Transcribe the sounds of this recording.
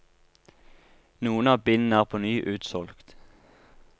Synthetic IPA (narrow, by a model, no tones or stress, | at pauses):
nuːənɑːbɪnn̩æːʁpʰoːnyːʔʉːt̪sɔlkt̪